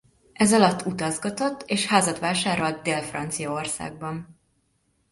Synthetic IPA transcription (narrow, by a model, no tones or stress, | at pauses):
ʔɛzɒlɒt̪ʰːut̪ɒzɡɒt̪o̞t̪ːeːʃhaːzɒt̪ʋaːʃaːɾo̞lt̪̚d̪eːlfrɒ̰nt̪sijɒo̞rsa̰ːɡ̚bɒn